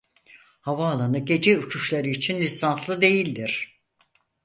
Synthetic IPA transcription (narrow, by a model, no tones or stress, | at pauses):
havaːlˠanɯɟe̞d͡ʒɛut͡ʃʰuʃlˠaɾɯːt͡ʃʰinlʲisanslˠɯd̪e̞jilʲd̪iɾ̥